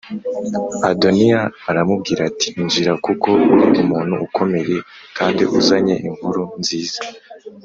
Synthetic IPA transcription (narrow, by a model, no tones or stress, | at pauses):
adoniaːɾamub̚ɡiːɾati̥nd͡ʒiɾakuko̞uɾiʔumuːn̥huukʰo̞me̞ɾe̞ | kʰaːndiʔuzaɲe̞̰ʔiŋuɾunziːz̥a